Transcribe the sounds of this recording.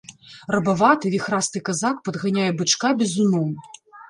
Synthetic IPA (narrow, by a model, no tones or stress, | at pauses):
rɐbavat̪ɨvʲixɾast̪ɨkazak̚pɐd̪ɣanʲajɛbɨt͡ʂkabʲɛzunɔm